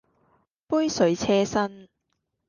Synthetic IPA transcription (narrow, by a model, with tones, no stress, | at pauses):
puː˥jsɵ˨˥ɥt͡sʰɛː˥sɐ˥n